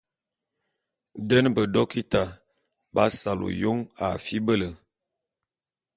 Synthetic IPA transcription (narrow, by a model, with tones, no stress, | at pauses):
də˦nbə˨dɔ˦ki˦ta˨ | ba˦sa˨lo̰˨jo˦ŋa̰˨fi˦bə˦lə˨